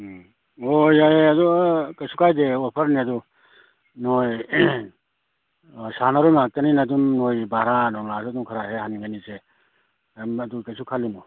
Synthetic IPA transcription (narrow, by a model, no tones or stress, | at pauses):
ojaeɐdukɐsukajdeɔpʰɐɾniɐdu | noj | sanaɾomak̚tɐninadumnojbahɾanɔmlasdumkʰaɾaɦehaniɡanise | ɐdukɐjsʰukʰalimu